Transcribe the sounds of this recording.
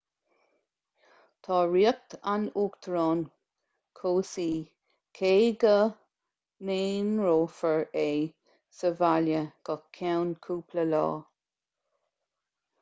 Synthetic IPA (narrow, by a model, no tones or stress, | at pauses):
t̪ʰɑːɹiək̚t̪anuːkt̪ʰɾoːn | kʰoːsiː | kʰeːɡə | meːnɹoːfəɹeː | səvaljəɡ̥əkʰawnkʰuːpʰləlɑ̰ː